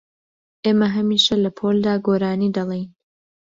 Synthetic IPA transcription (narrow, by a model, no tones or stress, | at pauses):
ʔeːmɐɦɐmiːʃɐlɐpʰoːld̪aːɡoːɾaːniːd̪ɐlˠejn